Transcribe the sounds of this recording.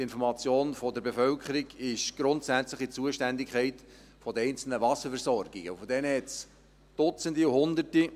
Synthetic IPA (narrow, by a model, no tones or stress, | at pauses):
ɪnfɔɾmɑt͡sjoːnfɔdəɾbefœlkʰχəɾiɡɪʃɡ̥ɾʊnt̪sæt͡sləχit͡suəʃtændikʰχɛɪt | fɔdəɛɪnt͡sl̩nəvɑsəfɛɾsɔrɡ̥ɪɡ̥əufɔd̥ɛnəhɛts | d̥ʊt͡səndiuhʊnd̪əti